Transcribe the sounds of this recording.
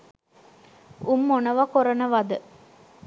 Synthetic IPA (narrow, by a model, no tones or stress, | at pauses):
umːonəʋɐkoɾɐnəʋɐd̪ə